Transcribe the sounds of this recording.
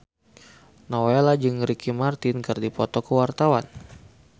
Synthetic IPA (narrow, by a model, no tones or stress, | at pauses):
nowɛlad͡ʒɨŋɾikimart̪inkɨrdipɔt̪ɔkəwart̪awan